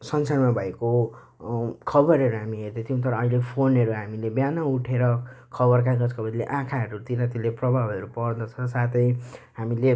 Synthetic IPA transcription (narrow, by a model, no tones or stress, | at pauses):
sʌnt͡sʰaɽmabʱʌeko | kʰʌbʌɾɦʌɾuɦamiɦerd̪ʌt̪ʰijũt̪ʌɾʌːilepʰonʌɾuɦamilebjanauʈʰeɾʌkʰʌbʌrk̬aɡʌd͡zkʰʌbʌd̪ilḛʔãkʰaɦʌɾut̪inʌt̪ileprʌbʱabʌɾupʌrd̪ʌt͡sʰʌsat̪ʌjɦamile